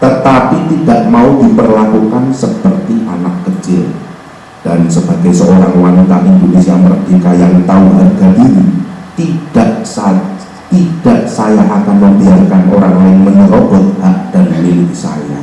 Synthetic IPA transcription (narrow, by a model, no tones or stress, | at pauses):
t̪ət̪apit̪idaʔmaudipərlakukansəpərt̪iʔanakːət͡ʃɪl | d̥ansəbaɡajsəoɾaŋwanit̪aʔindonisiaməɾəɡ̥ikajaŋt̪auɦarɡadinit̪id̥aʔsa | t̪id̥aʔsajaʔakanməmbiarkanʔo̰ɾaŋlaɪŋməɲəɾobɔt̪̚haʔd̥anmilɪksa̰ja̰